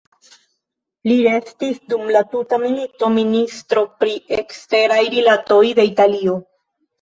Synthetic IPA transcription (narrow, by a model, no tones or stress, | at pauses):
liɾe̞stisdumlatutamilito̞ministɾo̞pɾiekste̞ɾajɾilato̞jde̞italio